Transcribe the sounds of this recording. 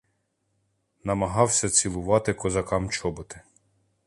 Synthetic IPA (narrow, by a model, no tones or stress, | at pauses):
nɐmɐɦɑwsʲɐt͡sʲilˠʊʋɑt̪ɪkɔzɐkɑmt͡ʃɔbʊt̪ɪ̥